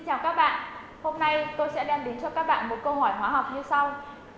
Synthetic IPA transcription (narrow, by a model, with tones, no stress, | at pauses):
ŋt͡ɕaː˧˩wkaː˦˥k̚ɓa̰ː˧˨n | ho˧mna˧jt̪o˧jsɛ̰˧˥lɛ˧mɗe˨˦nt͡ɕɔ˧kaː˦˥k̚ɓa̰ː˧˨nmo˨˩t̚kə˧wɦɔ˧˩jhwaː˨˦ɦa˨˩wk͡p̚ɲɨ˧sa˧w